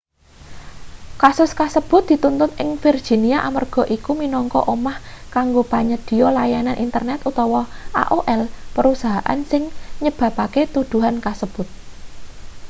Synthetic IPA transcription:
kasʊskasəb̥ʊ̤t̪̚d̪̥i̤t̪unt̪ʊnʔɪŋfird̥ʒ̥i̤niaʔamarɡ̥ɔ̤ʔikuminɔŋkɔ̰ʔomahkaŋɡopaɲəd̪̥i̤jɔlajananʔint̪ərnɛt̪ut̪ɔwɔʔa̰ʔoʔɛlpəɾusaɦaʔa̰nsɪŋɲəb̥ä̤paket̪ud̪̥ṳɦankasəb̥ʊt̪̚

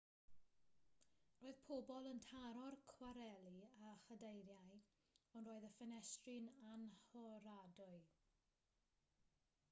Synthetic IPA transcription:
roːɨð̥pʰɔbɔlˠəntʰaɾɔrkʰwaɾɛlˠiaχədejɾjaj | ɔnroːɨðəfənɛstrɪnanhɔɾadʊɨ

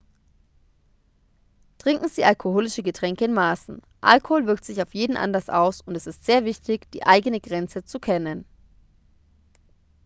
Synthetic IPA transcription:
tʁ̥ɪŋkŋ̩ziːʔalkʰohoːlɪʃəɡətʁ̥ɛŋkəɪnmaːsn̩ | ʔa̰lkohoːlvɪɐk̚tz̥ɪçaʊfjeːdn̩ʔa̰ndɐsʔa̰ʊsʊntɛsɪstz̥eːɐvɪçtɪçd̥ḭːʔaɪɡənəɡʁɛnt͡sət͡sukʰɛnən

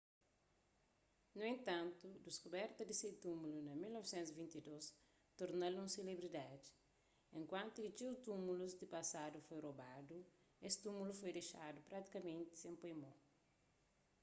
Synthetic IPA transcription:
nuẽnt̪ãnt̪ud̪iskubɛɾt̪ɐdiset̪umulunɐmilnɔvisẽnt̪zivĩnt̪idos | t̪oɾnɐlũselebɾidadi̥ | ẽŋkwãnt̪ukit͡ʃiwt̪umuluzd̪ipɐsadufojrobadu | est̪umulufojdeʃadupɾat̪i̥kɐmẽnt̪i̥sẽmpojmo

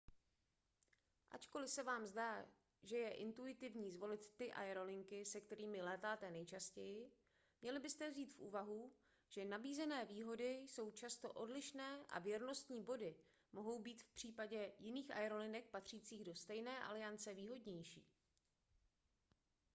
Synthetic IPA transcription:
ʔa̰t͡ʃko̞lɪsɛvaːmzdaː | ʒɛjɛʔɪnt̪uɪt̪ɪvɲiːzvo̞lɪt̪ːɪʔa̰jɛɾo̞lɪŋkɪsɛkt̪ɛɾiːmɪlɛːt̪aːt̪ɛnɛjt͡ʃascɛjɪ | mɲɛlɪbɪst̪ɛvziːt̪fʔṵːvaɦu | ʒ̥ɛnabiːzɛnɛːviːɦo̞dɪjso̞wt͡ʃast̪o̞ʔo̞dlɪʃnɛːʔa̰vjɛɾno̞st̪ɲiːbo̞dɪ | mo̞ɦo̞wbiːt̪fpr̝̥iːpaɟɛjɪniːxʔa̰jɛɾo̞lɪnɛk̚pat̪r̝̥iːt͡siːɣdo̞st̪ɛjnɛːʔa̰lɪjant͡sɛviːɦo̞dɲɛjʃḭː

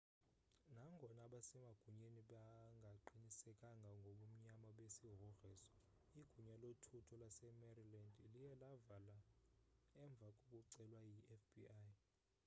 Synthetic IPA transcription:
naŋɡʱɔnaɓasɛmaɡ̥ʱuɲeniɓaŋɡʱaǃinisɛkʼaŋɡʱaŋɡʱoɓum̩ɲamaɓesiɦɔrɛːsɔ̥ | iɡ̥ʱuɲalotʰutʰɔlasɛmɛrilandʱilijɛlavala | ɛɱb̪vʱakʼok̬ʼuǀɛlwajiʔɛfbiaj

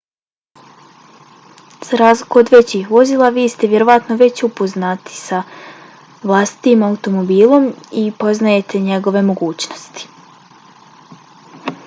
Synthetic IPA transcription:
z̥aɾaːzlikood̪ʋe̞t͡ɕixʋo̞ziːlˠaʋiːst̪eʋje̞ɾo̞ʋat̪no̞ʋe̞t͡ɕupo̞znat̪i̥sa | ʋlˠast̪i̥t̪imaut̪o̞mobiːlˠo̞mipo̞znaje̞t̪ʰe̞ɲe̞ɡo̞ʋe̞mo̞ɡuːt͡ɕno̞st̪i̥

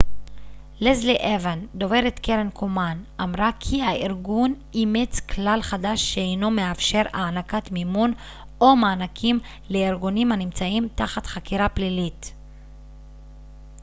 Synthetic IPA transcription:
lezliʔevend̪o̞ve̞ʁet̪keʁenkʰomanʔamʁakʰihaʔiʁɡun | imet͡sklalχadaʃːeejno̞meafʃe̞ʁaːnakatmimun | o̞maːnakʰim | le̞iʁɡunimhanimt͡saimtaχatχakiʁaplilit

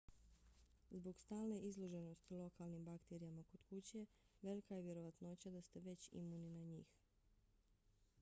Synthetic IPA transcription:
zbo̞ɡst̪aːlˠne̞ʔizlˠo̞ʒe̞no̞st̪ilˠo̞kalnimbakt̪eɾijamako̞d̪kut͡ɕe̞ | ʋe̞likajeʋje̞ɾo̞ʋat̪no̞t͡ɕad̪ast̪e̞ʋe̞t͡ɕḭmuninaɲḭːx

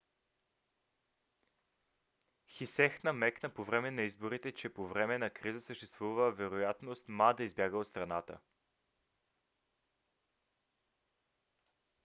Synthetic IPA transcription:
xisɛxnɐmɛknəpovɾɛmɛnɐizboɾit̪ɛt͡ʃɛpovɾɛmɛnɐkɾizəsəʃt̪ɛst̪vuvəvɛɾojat̪nost̪mad̪əizbjaɡəot̪st̪ɾɐnat̪ə̰

